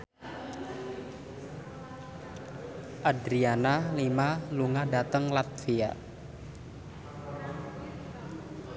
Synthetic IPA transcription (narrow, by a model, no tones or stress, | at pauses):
ʔadɾianalimaluŋadat̪əŋlat̪̚fia